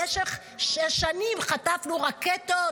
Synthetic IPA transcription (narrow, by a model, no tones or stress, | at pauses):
eʃeχ | ʃeʃanimχat̪afnuʁaket̪o